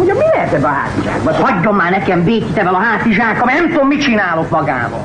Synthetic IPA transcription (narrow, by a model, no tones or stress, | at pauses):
oɲɒmmilɛɦɛt̪ɛd̪ɒɦa̰ːt̪iʒa̰ːkbɒhɒɟːo̞mːaːnɛkɛmbeːkit̪ɛvɛlɒɦaːt̪iʒaːkɒmnɛmt̪oːmmit͡ʃinaːlokmɒɡa̰ːbɒ̰l